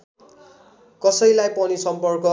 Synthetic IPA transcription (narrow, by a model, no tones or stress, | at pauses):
kʌsʌjlajpʌnisʌmpʌrkʌ